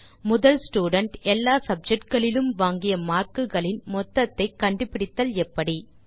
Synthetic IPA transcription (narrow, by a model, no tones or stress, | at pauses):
mʊðɐlsʈuːɽɐɳʈɛlːaːsɐb̚d͡ʒɛk̚ʈɡɐɭɪlɯmʋaːŋɡɪjɐmaːrkɯɣɐɭɪnmɔt̪ːɐt̪ːɐɪkːɐɳɖɯpːɪɽɪt̪ːɐlɛpːɐɽi